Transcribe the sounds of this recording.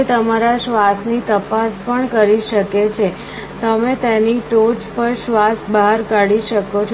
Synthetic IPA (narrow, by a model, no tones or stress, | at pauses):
et̪əmaɾaʃʋasnit̪əpaspəɳkəɾiʃəket͡ʃʰe | t̪əmet̪eniʈot͡ʃpəɾʃʋasbaɦaɾkaɽiʃəkot͡ʃʰ